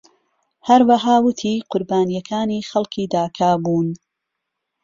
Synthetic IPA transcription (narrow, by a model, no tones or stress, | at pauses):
hɐɾwɐɦaːwʊt̪ʰiːqʰʊɾbaːnijɐkʰaːniːxɐlkʰiːd̪aːkʰaːbuːn